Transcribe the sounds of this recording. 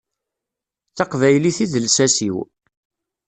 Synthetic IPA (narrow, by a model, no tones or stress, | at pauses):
θɑqvæjliθiðəlsæsiw